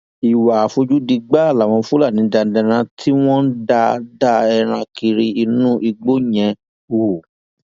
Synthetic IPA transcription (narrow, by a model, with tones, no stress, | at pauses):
i˨wa˨fo˧d͡ʒu˦di˧ɡ͡ba˦˨la˨w̃ɔ̃˧fu˦la˦˨nĩ˨˧˦da˧n̩˦dɛ̃˧ɾ̃ã˧˦tʰi˦w̃ɔ̃˦n̩˦da˧da˦ɛ˧ɾ̃ã˧ki˧ɾi˧i˧nũ˦ʔi˧ɡ͡bo˦ɲɛ̃˨˧ | u˨